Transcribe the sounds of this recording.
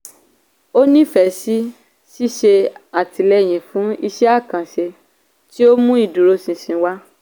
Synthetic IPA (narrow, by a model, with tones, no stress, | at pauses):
o˦nĩ˦˨fɛ˨˧˨si˦ | ʃi˦ʃe˧a˨ti˨lɛ˦˨j̃ĩ˨fũ˨˦i˧ʃɛ˦a˦˨kã˨ʃe˧ | ti˦o˦mũ˦i˦˨du˨ɾo˧sĩ˨sĩ˧˦wa˦